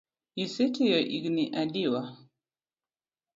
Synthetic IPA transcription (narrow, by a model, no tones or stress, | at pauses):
isitijɔʔiɡniʔadiwa